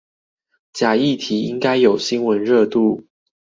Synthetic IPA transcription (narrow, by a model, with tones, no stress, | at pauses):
t͡ɕja˨˩i˥˨t̪ʰi˨˧˦i˦ŋka˦ɪjo˨˩ʊɕi˦nwə˨˦nɻɤ˥˧t̪u˥˨